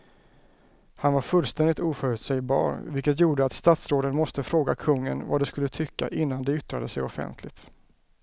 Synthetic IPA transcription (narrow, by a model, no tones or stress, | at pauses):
hanvaɾfɵlːst̪ɛnd̪ɪt̪uːfœɾʉt̪sɛjbɑ̰ːɾvɪlkːət̪juːɖəat̪st̪at̪sɾoːd̪ənmɔst̪əfɾoːɡakʰɵŋːə̰nva̰d̪ɛskɵlːət̪ʰʏkːa̰ʔɪnːand̪ɛʏt̪ɾad̪əsɛjɔfɛ̰nt̪ʰlɪt̪